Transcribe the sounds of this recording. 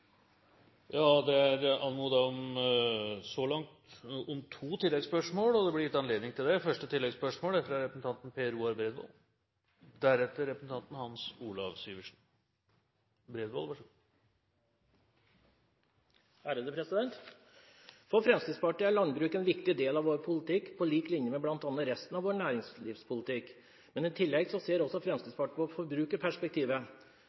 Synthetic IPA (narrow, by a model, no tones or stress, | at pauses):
jɑːd̪ɛæɾɑnmuːd̪ɑɔm | sɔlɑŋt̪ɔmt̪ʰuːt̪ʰɪlːɛɡspœʂmoːlɔd̪ɛblɪjɪt̪ːɑnleːd̪nɪŋt̪ʰɪld̪ɛfœʂʈət̪ʰɪlːɛɡspœʂmoːlɛfɾɑɾɛpɾəsn̩t̪ʰɑnt̪n̩pʰeːɾuːɑɾbɾeːd̪ʋo̰ːl | d̪æɾɛt̪ːəɾɛpɾəsn̩t̪ʰɑnt̪n̩hɑnsuːlɑʋsyːʋəʂn̩ | bɾeːd̪ʋo̰ːlʋɑ | hæːɾəd̪əpʰɾɛsɪd̪ɛnt̪ | fɔfɾɛmst̪iːd̪spɑʈɪːæɾɭɑnbɾʉːkɛnʋɪkt̪ɪd̪eːlɑʋoːɾpʰʊlət̪ʰɪkːpʰɔliːklɪnjəmɛblɑnt̪ɑnːəɾɛst̪ənɑʋoːɾɳæːɾɪŋsliːfspʰʊlət̪ʰɪk | mɛnɪt̪ʰɪlːɛɡsɔseːɾɔsːɔfɾɛmst̪id̪spɑʈəpɔfɔɾbɾʉːkəɾpʰæʂpɛk̚t̪ʰiːʋə